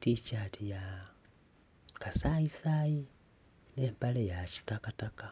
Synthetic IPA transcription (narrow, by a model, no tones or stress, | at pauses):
ticatija | kasaisaji | ne̞ːmpalejaci̥takataka